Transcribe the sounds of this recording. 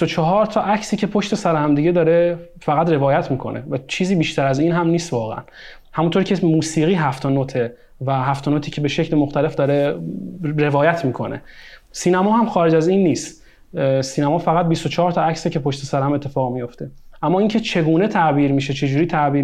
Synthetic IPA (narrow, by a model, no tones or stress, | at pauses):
isot͡ʃʰɒɦɒːɾt̪ʰɒːʔæcʰsiːcʰe̞pʰo̞ʃt̪e̞sæɾehæmd̪iɟe̞d̪ɒːɾe | fæɣæd̪re̞vɒːjæt̪ʰmiːkʰo̞̰nevæt͡ʃʰiːziːbiːʃt̪æɾæziːnɦæmniːst̪vɒːɣḛʔæ̰n | hæmunt̪ʰoɾcʰe̞muːsiːɣiːɦæft̪ʰɒnot̪ʰe | væɦæft̪ɒnoːt̪ʰiːcʰebe̞ʃecʰlemoxt̪æle̞fd̪ɒːɾe | ɾe̞vɒːjæt̪ʰmiːkʰo̞̰ne̞̰siːnæmɒːhæmxɒːɾe̞d͡ʒæziːnːiːst̪ | siːnæmɒːfæɣæt̪̚bist̪ot͡ʃʰɒɦɒɾt̪ʰɒæcsicʰe̞pʰoʃt̪esæɾehæme̞t̪ʰːefɒːɣmijo̞ft̪e̞ʔæmːɒːiŋcʰe̞t͡ʃʰe̞ɡuːne̞t̪ʰæʔbiːɾmiːʃet͡ʃʰe̞d͡ʒuːɾiːt̪ʰæʔbiːɾ